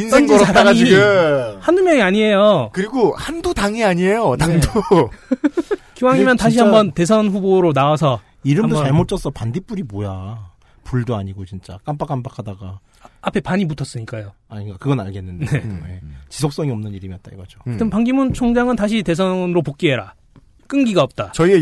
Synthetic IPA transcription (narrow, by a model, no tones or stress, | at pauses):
insʰenŋoɾoaaiɯhanumjʌŋiaɲie̞jokɯɾiɡohandotaŋiaɲie̞jotaŋdo | kiwaŋimjʌntaɕʰihambʌnte̞s̬ʰʌnɸuboɾonawasʰʌ | iɾɯmdmdot͡ɕaɭmot͡ɕʰʌsʰʌpandip͈uɾimoja | puɭdoaɲiɡot͡ɕint͡ɕ͈ak͈amp͈ak͈amp͈akʰadaɡa | apʰe̞paɲimutʰʌs͈ɯɲik͈ajoaɲikakɯɡʌnaɭɡenːɯndne̞jet͡ɕisʰok̚s͈ʌŋiʌmnɯniɾɯmijʌt͈̚a̰jɡʌd͡ʑoɯtʰɯmpaŋɡimunt͡ɕʰoŋd͡ʑaŋɯntaɕ̬ʰite̞sʰʌnɾopok͈iɦeɾa | k͈ɯŋɡiɡaʌp̚t͈at͡ɕʌie